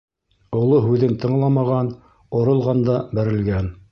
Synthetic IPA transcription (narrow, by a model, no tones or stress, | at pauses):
ŏlˠoɦʉðɘnt̪ʰɤ̆ɴlˠɑmɑʁɑn | ŏɾɤ̆lˠʁɑnd̪ɑbæɾɘ̆lɡæn